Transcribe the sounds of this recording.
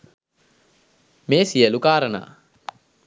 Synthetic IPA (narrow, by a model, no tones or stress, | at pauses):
meːsiəlukaːɾəna̰ː